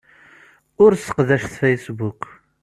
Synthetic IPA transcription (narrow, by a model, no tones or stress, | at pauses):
ʊɾsə̥qðæʃθfejsbuk